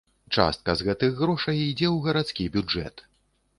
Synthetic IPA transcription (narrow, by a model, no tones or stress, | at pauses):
t͡ʂa̰st̪̚kɐzɣɛt̪ɨɣɾɔʂɐjid͡zʲɛwɣɐɾat̪skʲibʲud͡ʐɛ̰t̪